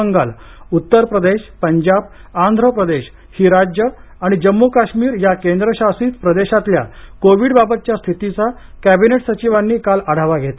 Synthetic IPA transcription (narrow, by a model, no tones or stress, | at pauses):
əŋɡa̰lut̪ːəɾpɾəd̪eɕpəɲd͡ʑab | ãnd̪ʱɾəpɾəd̪eɕ | hiːɾad͡ʑjə | aɽ̃id͡ʑəmːukaɕmiːɾjakend̪ɾəɕasiːt̪pɾəd̪eɕat̪lja̰koʋiːɽbabət̪̚t͡ɕjast̪ʰit̪it͡sa | kæbineʈsət͡ɕiʋanːiːkaləɽ̤aʋaɡʱet̪a